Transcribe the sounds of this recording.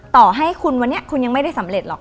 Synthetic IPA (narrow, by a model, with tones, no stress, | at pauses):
t̪ɔː˨˩ɦa˥˩jkʰu˧nwa˧nːi˦˥ɐkʰu˧nja˧ŋma˥˩jda˥˩jsa˩˦mɾe˨˩t̪̚lɔː˨˩k̚